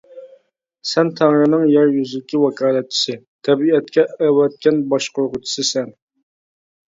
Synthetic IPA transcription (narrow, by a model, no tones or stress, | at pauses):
sɛnt̪ʰɑŋɾɨnɨŋjɛɾjyzɪlɪkʲʰiwɑkʰɑːlˠɛt̪̚t͡ʃʰːi̥sɨ | t̪ʰɛbiɛt̪kʲʰɛæwɛt̪̚kʲɛnbɑʃqʰoɾʁʊt͡ʃʰi̥sɨsɛn